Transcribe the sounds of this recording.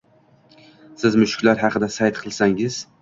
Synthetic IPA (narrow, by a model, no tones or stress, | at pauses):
sɪzmʊʃkʲlaɾɦɑqʰɨd̪asajt̪qʰɨlˠsaŋɪz̥